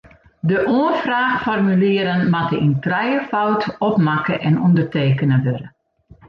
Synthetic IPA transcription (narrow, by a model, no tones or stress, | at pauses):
dəʔoənfraːxfɔrmyliəɾənmatəintrɛjəfawtɔpmakəʔɛnɔndərteːkənəʋøɾə